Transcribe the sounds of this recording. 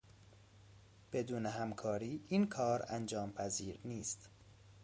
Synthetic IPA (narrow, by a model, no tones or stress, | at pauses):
b̥e̞d̪uːneɦæmkʰɒːɾiːʔinkʰɒːɾænd͡ʒɒːmpʰæziːɾniːst̪